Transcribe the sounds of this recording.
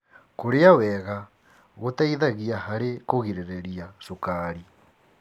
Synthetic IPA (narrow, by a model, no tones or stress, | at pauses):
koɾeawɛɣa | ɣotaiðaɣiahaɾekoɣiɾeɾeɾiasukaɾi